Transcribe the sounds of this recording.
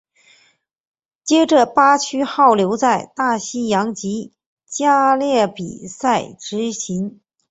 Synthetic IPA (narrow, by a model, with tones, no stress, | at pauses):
t͡ɕjɛ˥ʈ͡ʂə˧˩pa˥t͡ɕʰy˥xɑ˥˩ʊljo˧˥ʊt͡sa˥˧ɪt̪a˥˩ɕi˥jɑ˧˥ŋt͡ɕi˧˥ | t͡ɕja˥ljɛ˥˩pi˨˩sa˥˩ɪʈ͡ʂɻ̩˧˥ɕi˧˥ŋ